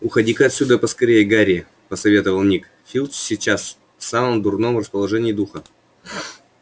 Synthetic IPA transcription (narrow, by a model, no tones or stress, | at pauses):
ʊxɐdʲikəɐt̪ʲsʲud̪əpəskɐɾʲejəɡaɾʲɪ | pəsɐvʲe̞t̪əvəlˠnʲik | fʲilˠssʲɪt͡ɕas | fsaməmd̪ʊrno̞mrəspəlˠɐʐɛnʲɪːd̪uxə